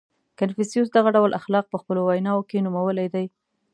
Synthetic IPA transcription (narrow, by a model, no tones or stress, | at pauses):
kanfisijus̬d̪aɣaɖawlʔaxlɑq̚pəxpəlowajnɑokenumawəlajd̪aj